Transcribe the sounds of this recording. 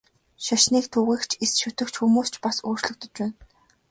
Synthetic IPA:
ʃaʃniːkt̪ʰuːɣiːkt͡ɕʰesʃʊt̪ɵ̆kt͡ɕxumuːst͡ɕʰpasoːr̥t͡ɕɮɵ̆k̚t̪ɵ̆t͡ɕpæːn

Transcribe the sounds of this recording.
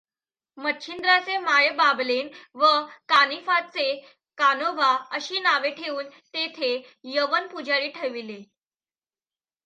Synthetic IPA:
mətːɕʰind̪ɾat͡semajbablenʋəkanifat͡se | kanoʋaəɕiːnaʋeʈʰeuːnt̪et̪ʰe | jəʋənpud͡ʑaɭiːʈʰeʋile

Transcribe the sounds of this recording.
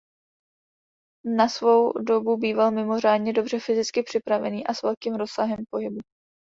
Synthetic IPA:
nasvo̞wdo̞bubiːvalmɪmo̞r̝aːdɲɛdo̞br̝ɛfɪzɪt͡skɪpr̝̥ɪpɾavɛ̰niːʔasvɛlkiːmɾo̞ssaɦɛmpo̞ɦɪbu

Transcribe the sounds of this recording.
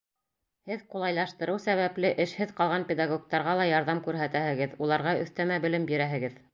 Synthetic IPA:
hɘðqulˠɑjlˠɑʃt̪ɤ̆ɾɤwsæβæplɘʔɘ̆ʃhɘðqɑlˠʁɑnpʲed̪aɡok̚t̪ɑɾʁɑlˠɑjɑɾðɑmkʉɾɦæt̪æhɘ̆ɡɘðulˠɑɾʁɑɵ̰̆θt̪æmæbɘ̆lɘmbiɾæɦɘ̆ɡɘð

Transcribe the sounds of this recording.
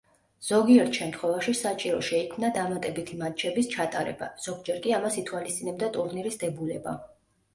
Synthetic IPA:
z̥ɔɡiɛɾt̪ʰʃɛmt̪ʰχwɛvaʃisat͡ʃʼiɾɔʃɛikʰmnad̪amat̪ʼɛbit̪ʰimat͡ʃʰɛbist͡ʃʰat̪ʼaɾɛ̰ba̰z̥ɔɡd͡ʒɛɾkʼiamasit̪ʰwalist̪sʼinɛbd̪at̪ʼuɾniɾisd̪ɛbulɛba̰

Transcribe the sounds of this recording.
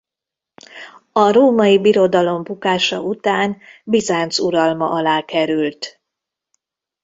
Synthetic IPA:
ɒɾoːmɒjibiɾo̞d̪ɒlo̞mbukaːʃɒ̰ʔut̪aːnbizaːnt̪suɾɒlmɒʔɒlaːkɛɾylt̪

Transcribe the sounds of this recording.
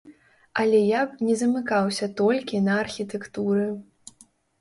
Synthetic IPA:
ɐlʲɛjapnʲɛzɐmɨkawsʲɐt̪ɔlʲkʲinɐːrxʲit̪ɛkt̪uɾɨ

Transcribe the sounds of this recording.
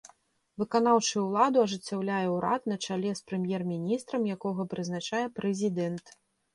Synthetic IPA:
vɨkanawt͡ʂɨwlˠad̪uɐʐɨt͡sʲːawlʲajɛwɾa̰t̪nɐt͡ʂalʲɛspɾɨmʲjɛrmʲinʲist̪ɾɐmjakɔɣɐpɾɨznat͡ʂajɛpɾɛzʲid̪ɛnt̪

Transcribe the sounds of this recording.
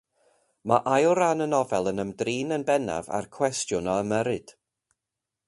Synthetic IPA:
maʔajɔɾanənɔvɛlˠənəmdriːnənbɛna̰va̰rkʰw̥ɛstjʊnɔəməɾɨd̥

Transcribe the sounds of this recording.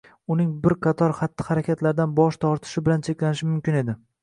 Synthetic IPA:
ʊnɪŋbɪɾqʰɑt̪ʰɒɾχat̪ʰːɪ̥haɾakʲʰat̪ʰlaɾd̪anbɒʃt̪ʰɒɾt̪ʰɪ̥ʃɪbɪlant͡ʃʰekʲlanɪʃɪmʊmkʲɪne̞d̪ɪ

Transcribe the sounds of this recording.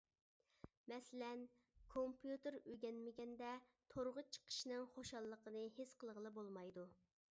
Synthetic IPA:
mɛsɪlɛn | kʰompʰjut̪ɨɾøɡʲɛnmɪɡʲɛnd̪ɛt̪ʰoɾʁət͡ʃʰə̥qʰə̥ʃnɨŋχoʃɑlˠːəqənɨɦesqəlˠʁəlˠɨbolˠmɑjd̪u

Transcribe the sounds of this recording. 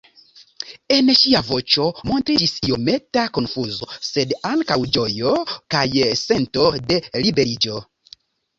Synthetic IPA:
e̞nʃiavo̞t͡ʃo̞mo̞ntɾid͡ʒisio̞me̞tako̞nfuzo̞se̞daŋkawd͡ʒo̞jo̞kajse̞nto̞de̞libe̞ɾid͡ʒo̞

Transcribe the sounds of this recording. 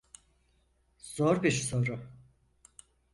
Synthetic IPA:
z̥oɾbiɾso̞ɾʊ

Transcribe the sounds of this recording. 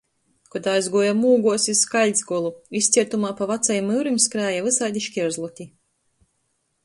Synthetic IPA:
kɔd̪aːjzɡuɔjamuːɡuɔsiskalʲd̪ʲzɡɔlˠuist̪sʲiɛt̪umaːpavat̪sajmɨwɾɨmʲskɾaːjavɨsajd̪ʲiʃkʲizlˠɔt̪ʲi

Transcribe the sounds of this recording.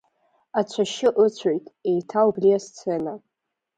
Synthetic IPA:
at͡ɕʷʰaʃɪʔɨt͡ɕʷʰojtʼe̞jtʰaubliast͡sʰena

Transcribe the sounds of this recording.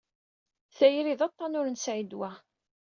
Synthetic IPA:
θæjɾiðɑt̪ˤːɑnʊɾənsʕid̪wæ

